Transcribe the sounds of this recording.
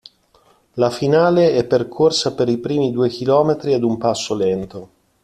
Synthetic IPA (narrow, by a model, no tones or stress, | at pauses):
lafinaːleɛpːerkʰorsapeɾipɾiːmid̪uːek̟ilɔːmet̪ɾiad̪umpasːolɛnt̪o